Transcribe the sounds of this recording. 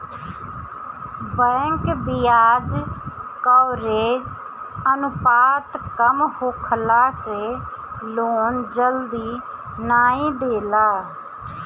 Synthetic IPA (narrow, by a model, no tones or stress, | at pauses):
bɛ̃ːŋkbijaːd͡ʒkaːɾeːd͡ʒ | ənʊpaːt̪kəmhokʰlaːseː | loːnd͡ʒəld̪iː | naːĩːd̪eːlaː